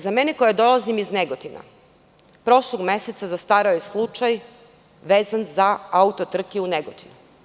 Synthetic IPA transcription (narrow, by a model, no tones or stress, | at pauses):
zame̞neko̞jad̪o̞lˠazimizneɡot̪ina̰ | pɾo̞ʃloɡme̞set̪sazast̪aːɾaojeslˠut͡ʃaj | ʋeːzanzaaut̪o̞t̪r̩kiuneɡot̪inu